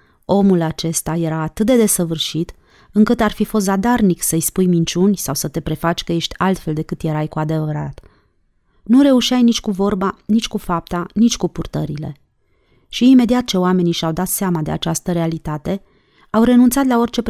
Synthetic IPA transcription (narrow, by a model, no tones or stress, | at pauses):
o̞mulat͡ʃe̞st̪aje̞ɾaːt̪ɨt̪̚d̪e̞d̪e̞səvɨrʃit̪ | ɨŋkɨt̪arfifo̞s̬t̪zad̪arniksəɨjspujmint͡ʃunʲsawsət̪e̞pɾe̞fat͡ʃʲkəje̞ʃt̪ʲalt̪fe̞ld̪e̞kɨt̪je̞ɾajkuad̪e̞vəɾat̪ | nuɾe̞uʃiajnit͡ʃʲkuvo̞rbanit͡ʃʲkufap̚t̪anit͡ʃʲkupurt̪əɾile̞̰ | ʃiːme̞d̪iat̪̚t͡ʃe̞oame̞niʃawd̪at̪seamad̪e̞a̰t͡ʃast̪əɾe̞alit̪at̪e̞ | awɾe̞nunt̪sat̪lao̞rt͡ʃe̞p